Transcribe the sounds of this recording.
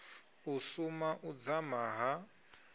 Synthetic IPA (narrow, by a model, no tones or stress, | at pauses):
usumaʔud͡zamaɦa